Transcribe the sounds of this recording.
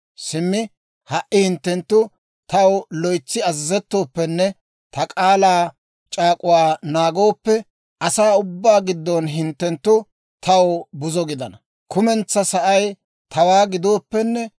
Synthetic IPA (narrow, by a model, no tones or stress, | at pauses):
sɪmːɪ | hɐʔːɪhɪnt̪ːɛnt̪ːʊ | t̪ʰɐwlɔjt͡sːɪɐzzɛt̪ːo̞ːpːɛnːɛ | t̪ɐkʼaːlaː | t͡ʃʼaːkʼʊwaːnaːɡo̞ːpːɛ | ʔɐsaːʊbːaːɡɪd̪ːonɦɪnt̪ːɛnt̪ːʊ | t̪ʰɐwbʊzɔɡɪd̪ɐnɐ | kʊmɛnt͡sːɐsɐʔɐj | t̪ʰɐwaːɡɪd̪o̞ːpːɛnːɛ